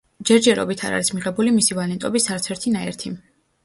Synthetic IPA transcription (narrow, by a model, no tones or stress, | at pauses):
d͡ʒɛɾd͡ʒɛɾɔ̰bit̪ʰa̰ɾa̰ɾismiʁɛbulimisivalɛnt̪ʼɔbisaɾt̪sʰɛɾt̪ʰinaɛɾt̪ʰim